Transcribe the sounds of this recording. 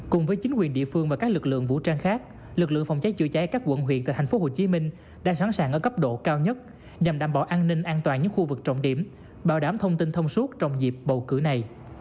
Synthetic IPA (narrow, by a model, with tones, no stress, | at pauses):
kʊ˨˩ŋ͡mvəː˨˦jt͡ɕï˨˦ŋ̟kwi˨˩ənɗḭ˧˨əfɨ˧ŋvaː˨˩kaː˦˥k̚lɨ˨˩k̚lɨ̰˧˨əŋvṵ˧˥t͡ɕaː˧ŋxaː˦˥k̚ | lɨ˨˩k̬̚lɨ̰˧˨əŋfa˧wŋ͡mt͡ɕa˨˦jt͡ɕɨ̰˧˨t͡ɕɛ˨˦kaː˦˥k̚wə̰˧˩nɦwi˧˨nt̪ːt̪ʰj̟fo˨˦ɦo˧˩t͡ɕi˨˦mï˧ŋ̟ | ɗa̰ː˧˥saː˧˦nsaː˨˩ŋʔəː˧˩kə˦˥p̚ɗo̰˧˨kaː˧wɲə˦˥t̚ | ɲa˨˩mɗaː˧˩mɓɔ̰˧˩ʔaː˧nːï˧ŋ̟ʔaː˧nt̪waː˨˩nɲɨ̰˧˥ŋxu˧vɨ˨˩k̚t͡ɕə̰˧˨wŋ͡mɗi˧˩əm | ɓaː˧˩wɗaː˨˩˦mt̪ʰə˧wŋ͡mt̪i˧nt̪ʰə˧wŋ͡msu˦˥t̚t͡ɕɔ˧wŋ͡mzi˨˩p̚ɓə˨˩wkɨ̰˧˩na˨˩j